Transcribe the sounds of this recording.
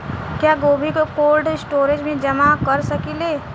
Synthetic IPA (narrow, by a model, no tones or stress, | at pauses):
kjaɡoːbʱikokoːlɖɪsʈoːɾed͡ʒmẽd͡ʒəmakəɾsəkileː